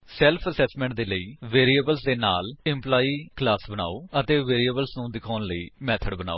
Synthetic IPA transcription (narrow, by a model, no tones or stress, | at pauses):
sɛːlpʰəsɛːsmɛ̃ːɳʈ̚d̪eːləiːʋeːɾiːəbəlsd̪eːnaːlɪmplaːiːklaːsbəna̰ːoːət̪eːʋeːɾiəbəlsnũːd̪ɪkʰaːnləiːmɛːt̪ʰəɖbəna̰ːoː